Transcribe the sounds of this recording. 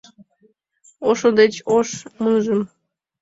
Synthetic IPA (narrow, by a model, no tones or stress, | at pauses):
oʃod̪et͡ɕoʃmunʒəm